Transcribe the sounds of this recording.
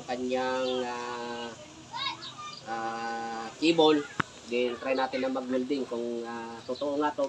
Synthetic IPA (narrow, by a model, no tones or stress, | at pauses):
kɐɲaŋa | ʔa | kiːbol | ɡ̪ɪnt̪ɾajnaːt̪ɪnɐŋmɐɡ̚mʊld̪ɪŋkʊŋat̪ʊt̪oʔoŋat̪o